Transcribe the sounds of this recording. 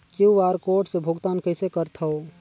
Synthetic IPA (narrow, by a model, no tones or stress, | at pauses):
kuʋaːɾkoɾʈsebʱuɡt̪aːnkəɪsekəɾt̪ʰəo